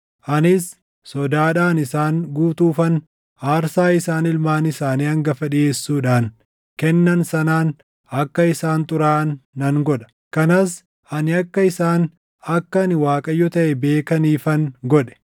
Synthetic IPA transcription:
ʔɐnɪs | sɔd̪aːᶑaːnɪsaːŋɡuːt̪uːfɐn | aːɾsaːɪsaːnɪlmaːnɪsaːniːɐŋɡɐfɐᶑɪe̞ːsːuːᶑaːn | kɛnːɐnsɐnaːn | ɐkːɐɪsaːnt̪ʼʊɾaːnːɐŋɡɔᶑɐ̥ | kɐnɐs | ʔɐnɪɐkːɐɪsaːn | ɐkːɐnɪwaːkʼɐjːɔt̪ɐʔɛbe̞ːkɐniːfɐŋɡɔᶑɛ̥

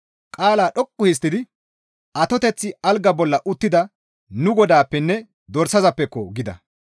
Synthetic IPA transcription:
kʼaːlaːɗɔkʼːʊhɪs̬t̪ːɪd̪ɪ | ɐt̪ɔt̪ɛt͡sːɪɐlɡɐbɔlːɐʔʊt̪ːɪd̪ɐ | nʊɡɔd̪aːpːɛnːɛ | d̪ɔɾsɐzɐpːɛkːɔɡɪd̪ɐ̰

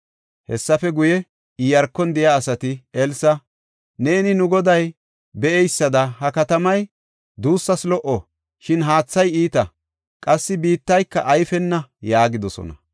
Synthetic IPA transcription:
hɛsːɐfɛɡʊjɛ | ɪjɐɾkːɔnd̪ɪjaːsɐt̪ɪɛlsɐ | neːnɪnʊɡɔd̪ɐj | bɛʔɛjsːɐd̪ɐɦɐkɐt̪ɐmɐj | d̪uːsːɐslɔʔo | ʃɪnɦaːt͡sːɐjiːt̪ɐ | kʼɐsːɪbiːt̪ːɐjkːɐʔɐjfɛnːɐjaːɡɪd̪ɔsɔ̰nɐ̰

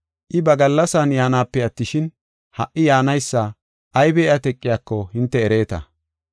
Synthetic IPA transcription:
ʔɪbɐɡɐlːɐsanjaːnaːpːɛɐt̪ːɪʃɪn | hɐʔːɪjaːnɐjsːɐ | ʔɐjbɛːʔɐt̪ɛkʼːɪjaːkːɔhɪnt̪ːɛːɾe̞ːt̪ɐ̰

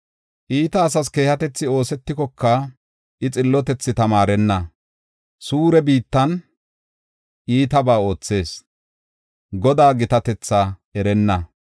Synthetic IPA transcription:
ʔiːt̪ɐːs̬ɐs̬ke̞ːhɐt̪ɛt͡sːɪo̞ːsɛt̪ːɪkɔkːɐ | ʔɪt͡sʼɪlːɔt̪ɛt͡sːɪt̪ɐmaːɾɛnːɐ | suːɾɛbiːt̪ːɐn | ʔiːt̪ɐbaːo̞ːt͡sːe̞ːs | ɡɔd̪aːɡɪt̪ɐt̪ɛt͡sːaɛɾɛnːɐ

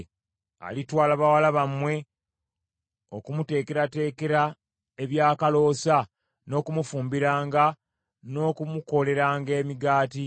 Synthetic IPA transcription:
a̰litwaːlaβawalaβamwe̞ | o̞kumute̞ːke̞ɾate̞ːke̞ɾa | eβjaːkalo̞ːsa | no̞ːkumufuːmbiɾaːŋɡa | no̞ːkumuko̞le̞ɾaːŋɡe̞ːmiɡaːti

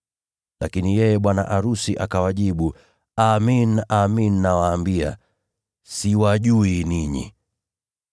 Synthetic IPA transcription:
lakinijɛjɛɓwana̰ʔaɾusiʔakawaʄiɓu | aminaminːawaːmbia̰ | siwaʄuiniɲḭ

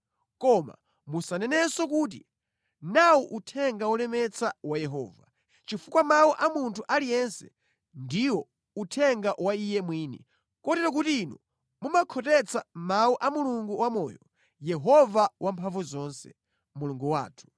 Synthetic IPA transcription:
kɔma̰ | musanɛnɛsɔk̬uːt̬ḭ | nawuʔutʰɛŋɡawɔlɛmɛt͡sʰawajɛɦɔ̰ːva̰ | t͡ʃifukwamauʔamuntʰuʔalijɛnsɛ̥ | ndiwɔ | utʰɛŋɡaʔwaijɛmwiːnɛ̰ | kɔtɛɾɔk̬utiinṵ | mumakʰɔtɛt͡sʰamawuʔamuluŋɡuwamɔːjɔ | jɛɦɔvawʔampʰaɱvuzɔnsɛ̰ | muluŋɡuwa̰ːtʰu̥

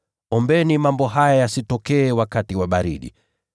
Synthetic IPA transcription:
ɔmbɛnimambɔɦajajasitɔkɛːwakatiwaɓaɾḭɗḭ

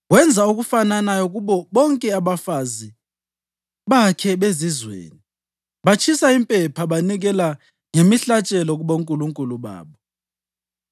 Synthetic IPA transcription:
wɛnd͡zʱauɣufananajɔɣuɓɔɓɔŋkʼɛaβafazi | βakʰɛɓezizwḛːni | βat͡ʃʰʼisaimpʼɛpʰaɓaniɣɛla | ŋemiɬat͡ʃʼɛlɔɣuɓoŋkʼuluŋkʼuluβa̰ːɓɔ

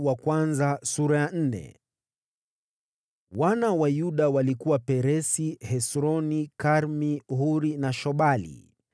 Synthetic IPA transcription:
wakwanzasuɾajan̩nɛ̰ | wanawajuɗawalikuwapɛɾɛsihɛsɾɔnikaɾmihuɾinaʃɔɓalḭ

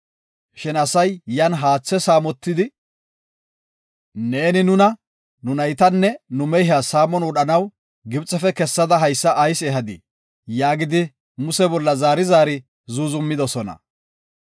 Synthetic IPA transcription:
ʃɪnɐsɐjjɐnɦaːt͡sːɛsaːmɔt̪ːɪd̪ɪ | ne̞ːnɪnʊnɐ | nʊnɐjt̪ɐnːɛnʊmɛjɦasaːmɔnwɔɗɐnɐw | ɡɪbt͡sʼːɛfɛkɛsːɐd̪ɐɦɐjsːɐʔːjseːɦɐd̪ɪ̰ | jaːɡɪd̪ɪ | mʊsɛbɔlːɐzaːɾɪzaːɾɪ | zuzʊmːɪd̪ɔsɔnɐ̰

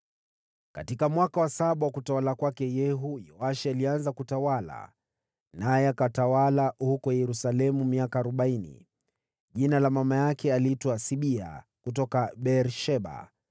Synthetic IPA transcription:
katikamwakawasaɓawakutawalakwakɛjɛɦujɔaʃialianzakutawala̰ | najɛakatawalahukɔjɛɾusalɛmumiakaːɾɔɓainḭ | ʄinalamamajakɛalitwasiɓia̰ | kutɔkaɓɛɾʃɛɓa̰

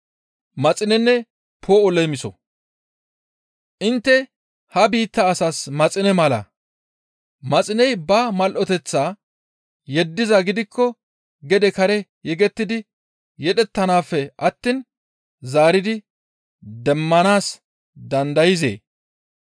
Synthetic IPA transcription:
mɐt͡sʼɪnɛnːɛ | pʰoːɔlɛmɪsɔ̰ | ʔɪnt̪ːɛ | hɐbiːt̪ːɐːsaːsmɐt͡sʼɪnɛmɐlɐ̰ | mɐt͡sʼɪnɛjbɐmɐlʔɔt̪ɛt͡sːaː | jɛd̪ːɪzɐɡɪd̪ɪkʰːɔ | ɡɛd̪ɛkɐɾɛjɛɡɛt̪ːɪd̪ɪ | jɛᶑɛt̪ːɐnaːfːɛʔɐt̪ːin | zaːɾɪd̪ɪ | d̪ɛmːɐnaːs | d̪ɐnd̪ɐjɪzḛː

